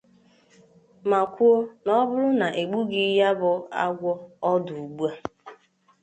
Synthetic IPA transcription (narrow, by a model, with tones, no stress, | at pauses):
ma˨kʷu˦o˦nɔ˦bʊ˦ɾʊ˦na˨ʔe˨ɡ͡bu˦ɡi˦ja˦bʊ˦a̰˦ɡʷɔ˦ɔ˦dʊ˨u˨ɡ͡bu˦a˦